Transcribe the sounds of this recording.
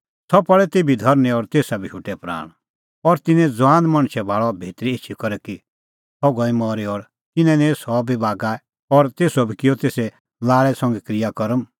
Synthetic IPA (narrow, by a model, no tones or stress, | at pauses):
sʰɔpɔɭɛt̪eːbʱid̪ʱɐɾnĩɔɾt̪eːsabiʃʰʊʈɛpɾa̰ːɽ̃ | ɔɾt̪ɪnɛ̃d͡zʋãːnd̪mɐ̃ɽ̃t͡ʃʰɛbʱaːɭɔbʱeːt̪ɾieːt͡ʃʰikɔɾɛki | tʰɔɡɔ̃ĩmɔɾiɔːɾ | t̪ɪnɛ̃nẽsɔbibaːɡaɛ | ɔɾt̪eːsɔbʱikɪjɔt̪eːsɛ | laːɭɛsɐ̃ŋɡɛkɾɪjakɔɾəm